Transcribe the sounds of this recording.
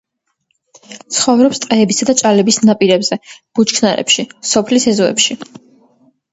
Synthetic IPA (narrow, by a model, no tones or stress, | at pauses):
t̪sʰχɔvɾɔpst̪ʼqʼɛːbisad̪at͡ʃʼalɛbisnapʼiɾɛbzɛb̥ut͡ʃkʰnaɾɛ̰pʃisɔpʰlisɛzɔɛ̰pʃi